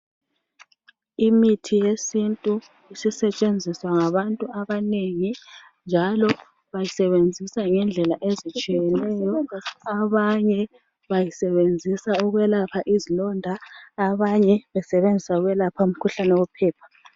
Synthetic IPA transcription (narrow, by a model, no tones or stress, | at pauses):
imitʰijesintʼu | isisɛt͡ʃʼend͡zʱiswaŋaβantʼuaβaneŋi | nd͡ʒʱalɔ | βajisɛβend͡zʱisaŋɛnd͡ɮʱɛlaʔezit͡ʃʼijjɛnɛjɔaβaɲɛ | βajisɛβend͡zʱisauɣwɛlapʰaʔizilɔndʱaːβaɲɛβɛsɛβend͡zʱisauɣwɛlapʰaum̩kʰuɬanɛwɛpʰɛːp̚ʰḁ